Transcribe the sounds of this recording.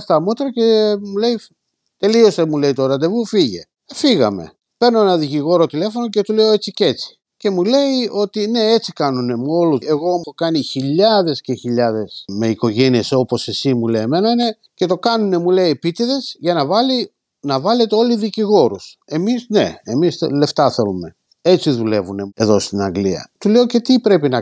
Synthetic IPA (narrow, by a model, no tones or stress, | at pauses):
st̪ɐmot̪ɾɐce̞mule̞i | t̪e̞lio̞st̪emule̞it̪o̞ɾɐd̪evufiʝe̞̰ | fiɣɐ̰me̞̰ | pe̞ɾno̞enɐðiciɣo̞ɾo̞t̪ile̞fo̞no̞ce̞t̪ule̞oe̞t͡sice̞t͡si̥ | ce̞mule̞io̞t̪ine̞et͡sikɐnune̞muo̞lueɣo̞okɐniçiʎɐðe̞sce̞çiʎɐðe̞sme̞iko̞ʝe̞nieso̞po̞se̞simuleme̞nɐine̞ | ce̞t̪o̞kɐnune̞muleipit̪iðe̞sʝɐnɐvɐli | nɐvɐle̞t̪eo̞liðiciɣo̞ɾuse̞misnḛemisḛle̞ft̪ɐθe̞lume̞ | e̞t͡siðule̞vune̞e̞ðo̞st̪inɐŋɡliɐ̰t̪ule̞o̞ce̞t̪ipɾe̞pinɐ